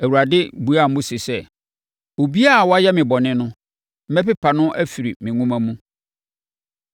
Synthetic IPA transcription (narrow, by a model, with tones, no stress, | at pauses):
æ˨wu˨ɾa˨dɪ˦bu˨˦a˦˨m̩˦mʊ̃˦sɪ˨sɛ˦˨ | o˨bi˦a˦a˨wɔ˦a˦jɛ˦mɪ̃˨bɔ˨nɪ̃˦nʊ̃˦ | m̩˦mɛ˦pɪ˦pʰa˨nʊ̃˦ʔæ˦fi˨ɾi˨mɪ̃˨ŋũ˦mã˦mũ˦